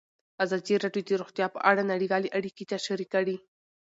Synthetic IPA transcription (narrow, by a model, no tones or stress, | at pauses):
azɑd̪iɾɑɖjod̪əɾoxt̪jɑpəʔaɽanaɽiwɑleʔaɽiket̪aʃaɾikaɽi